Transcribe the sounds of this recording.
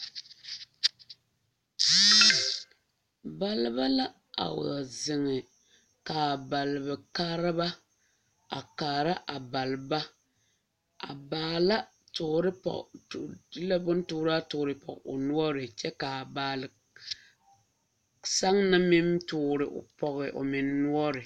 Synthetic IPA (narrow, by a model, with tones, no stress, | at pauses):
ba˦lɪ˦ba˦la˦ | a̰˨wa˨zɪ˨ŋɪ˨ | ka˨ba˨lɨ˨bɨ˨kaː˦ɾɪ˦ba˦ | a̰˨kaː˨ɾa˦ʔa˨ba˨lba˦ | a̰˨baː˨la˦ | tʊ˨ɾɪ˦pɔ̰˨˦ | la˦bʊ˦n˦tʊ˦ɾa˦tʊ˨ɾɨ˨pɔ̰˨ʔʊ̰˨nʊ˦ɔ˦ɾɪ˨t͡ʃɛ˦ka˨baː˨lɪ˨ | sa˦ŋna˦mɪ˦mtʊ˦˨ɾɪ˨ʔʊ̰˨pɔ˦ɣɪ˨ʔʊ̰˨mɪ˨nːʊ˦ɔ˦ɾɪ˨